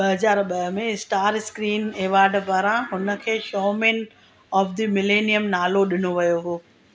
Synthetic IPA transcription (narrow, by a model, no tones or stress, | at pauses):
ɓɐɦɐzaːɾɓɐɦmẽsʈaːɾskɾiːneːʋaːɾɖpaːɾãɦʊnə̆kʰeːʃɔːmẽːn | ɔːfd̪imɪleːnijəmnaːloɗɪnoʋɐjoɦoː